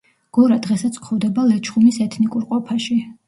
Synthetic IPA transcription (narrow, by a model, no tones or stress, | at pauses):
ɡ̥ɔɾad̪ʁɛsat̪sʰkʰχɔvd̪ɛbalɛt͡ʃʰχumisɛt̪ʰnikʼuɾqʼɔpʰaʃi